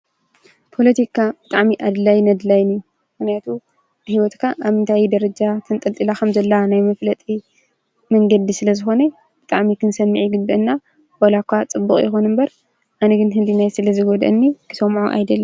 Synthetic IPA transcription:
pʰo̞lɐt̪ʰikʰab̥ɨt̪ʼaʕmiʔad̪lajnɐd̪lajniju | mɨxnijat̪ʰu | hiwɔt̪kʰaʔaβɨnt̪ʰajd̪ɐɾɐd͡ʒat̪ʰɨnt̪ʼɐlt̪ʼilakʰɐmzɐlːanajmɐflɐt̪ʼi | mɐŋɡɐd̪isɨlɐzɨxo̞nɐ | b̥ɨt̪ʼaʕmikʰɨnsɐmːɨʕiɡɨd̪ːɐɨnːa | bolakʷːat͡sʼɨbːuχʼjɪxonɨmbɐɾ | ʔanɐɡɨnɦɨlinajsɨlɐzɨɡod̪ʔɨ̰nːikʰɨ̥sɐmʕuʔa̰jd̪ɐlːɐ

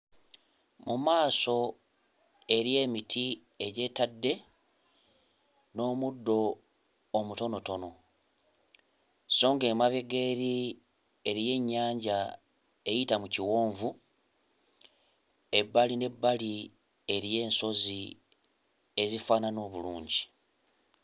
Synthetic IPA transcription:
mumaːso̞ | e̞ɾje̞ːmitʰi | e̞ɟe̞ːtadːe̞ | no̞ːmudːo̞ː | muto̞no̞to̞no̞ | so̞ːŋɡeːmaβeɡe̞ːɾi | e̞ɾije̞ɲːaːɲɟa | e̞jitamuciwo̞ːɱvu | e̞bːaline̞bːali | e̞ɾije̞ːnso̞zi | e̞zifaːnano̞ːβuluːɲɟi

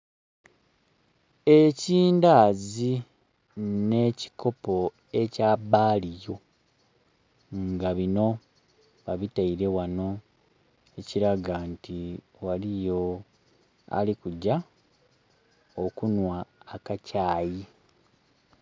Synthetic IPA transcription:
e̞ciːndaːzi | ne̞ːci̥ko̞po̞ | e̞caːbaːlijo̞ | ŋɡaβino̞ | βaβitaiɾe̞wano̞ | e̞ciɾaɡanti | walijo̞ | a̰likuɟa | okunwaːkacaːji

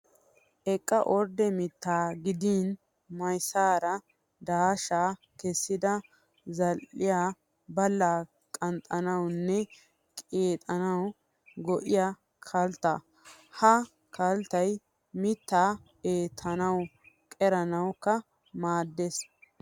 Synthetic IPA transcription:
ʔɛkʼːɐʔɔɾd̪ɛmɪt̪ʰːaːɡɪd̪iːn | mɐjsaːɾɐ | d̪aːʃaː | kɛsːɪd̪ɐ | zɐlːɪjaː | bɐlːaː | kʼɐnt̪ʼːɐnɐwnːɛ | kʼeːt̪ʼɐnɐw | ɡɔʔɪja | kʰɐlt̪ːɐ | hɐ | kʰɐlt̪ɐj | mɪt̪ːaː | eːt̪ʰːɐnɐw | kʼɛɾɐnɐwkːɐ | maːd̪ːes

